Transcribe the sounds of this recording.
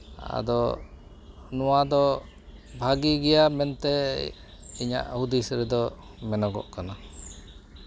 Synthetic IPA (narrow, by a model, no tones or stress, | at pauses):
a̰d̪ɔ | nɔwad̪ɔ | bʱaɡiɡɛjamɛnt̪ɛ | iɲa̰ʔhud̪isɾɛd̪ɔ | mɛnɔɡɔ̰ʔkana